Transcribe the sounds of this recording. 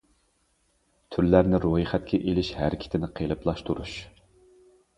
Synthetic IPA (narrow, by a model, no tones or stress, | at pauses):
t̪ʰyɾlæɾnɪɾohiχɛt̪̚kʲʰɛʔelɪʃhæɾkʲʰi̥t̪ʰɪnɪqʰelˠɨplˠɑʃt̪ʰuɾuʃ